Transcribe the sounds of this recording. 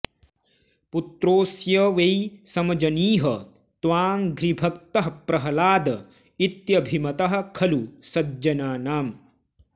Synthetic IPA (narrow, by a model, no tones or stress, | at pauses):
put̪ɾoːsjɐʋejsɐmɐd͡ʒɐniːɦɐ | t̪ʋaːŋɡɾibʱɐk̚t̪ɐɦɐpɾɐɦɐlaːd̪ɐ | it̪jɐbʱimɐt̪ɐɦɐ̆kʰɐlusɐd͡ʒɐnaːnaːm